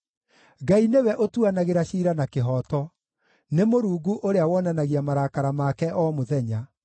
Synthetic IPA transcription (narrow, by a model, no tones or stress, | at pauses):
ɡainewɛʔotuanaɣeɾaɕiːɾanakeɦɔtɔ | nemoɾuːɡuʔoɾeawɔnanaɣiamaɾakaɾamakɛʔɔːmoðɛɲa